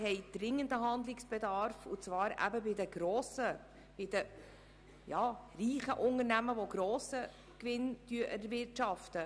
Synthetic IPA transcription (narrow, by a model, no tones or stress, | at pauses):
hɛɪd̪̥ɾɪŋːənd̪əɦɑnd̪lɪksb̥ɛd̪ɑɾfʊ̰t͡svɑːɾæ̰bəbɪd̪əɡ̥ɾoːsə | b̥ɪd̪ə | jɑːriːχəʔʊnərnæməʋoɡɾoːsə | kʋɪntyəʔɛɾvɪɾtʃɑftə